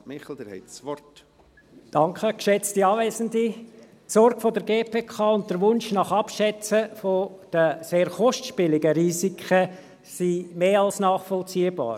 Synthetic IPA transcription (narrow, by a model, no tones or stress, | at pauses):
mɪχl̩d̪əɾhɛ̰ɪtsʋɔɾt | d̥ɑŋkχəkʃɛt͡stiɑːvɛːzəndi | tsɔrɡ̥fodəɾɡ̥eːpʰeːkʰɑːʊnt̚dəɾʋʊnʃnɑχɑpʃɛt͡səfod̥əseːɾχɔʃtʃpɪlɪɡəɾiːsikχə | simeːɑlsnɑːχfɔlt͡siːəbɑ̰ːɾ